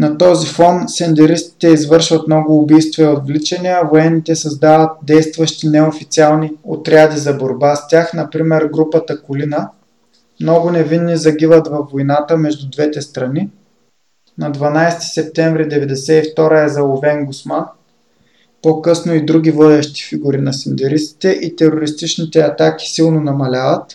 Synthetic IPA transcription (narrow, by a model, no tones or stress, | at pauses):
nɐt̪ɔzifɔnsɛnd̪ɛɾist̪i̥t̪ɛizvɤɾʃvɐt̪nɔɡʊːbijst̪viɛot̪vlit͡ʃɐniɐvoɛnːit̪ɛsɐzd̪avət̪̚d̪ɛjst̪vəʃt̪inɛofit̪sialˠniot̪ɾʲad̪izɐboɾbast̪ʲaxn̪ɐpɾimɛɾɡɾupət̪əkʊlinə | mnɔɡʊnɛvinːizɐɡivət̪vɐvːojnat̪əmɛʒd̪ud̪vɛt̪ɛst̪ɾɐni | nɐd̪vɐnajsɛ̥t̪i̥sɛp̚t̪ɛɱvɾid̪ɛvɛd̪ɛsɛift̪ɔɾəɛzɐlˠovɛŋɡʊsman | pokɤsnoid̪ɾuɡʲivɔd̪ʲɛʃt̪i̥fiɡʊɾinɐsind̪ɛɾist̪i̥t̪ɛʔit̪ɛɾoɾist̪it͡ʃnit̪ɛɐt̪aki̥silˠnonɐmɐlʲavət̪